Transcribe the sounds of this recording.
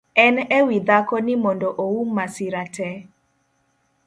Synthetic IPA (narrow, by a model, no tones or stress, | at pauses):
ɛnɛwid̪akɔnɪmɔndɔʔowumːasɪɾatʰɛ